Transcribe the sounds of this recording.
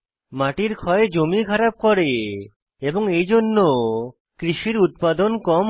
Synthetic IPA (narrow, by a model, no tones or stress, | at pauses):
maʈiɾkʰɔed͡ʑomikʰaɾab̚koɾe | eboŋejd͡ʑonːo | kɾiʃiɾut̪̚pad̪onkɔm